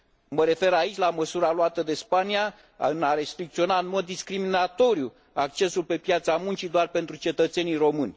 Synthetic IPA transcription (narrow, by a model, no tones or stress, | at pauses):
məɾe̞fe̞ɾait͡ʃʲlaməsuɾaluat̪əd̪e̞spania | ɨnaɾe̞st̪ɾik̚t̪sio̞naɨnmo̞d̪ːiskɾiminat̪o̞ɾju | ak̚t͡ʃe̞sulpe̞pjat̪samunt͡ʃid̪oarpe̞nt̪ɾut͡ʃe̞t̪ət̪se̞nijro̞mɨnʲ